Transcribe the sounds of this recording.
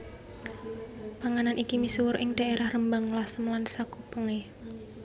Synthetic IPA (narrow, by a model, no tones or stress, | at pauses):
paŋananʔikimisuwʊɾʔɪŋd̥a̤ʔeɾahrəmbaŋlasəmlansakupəŋe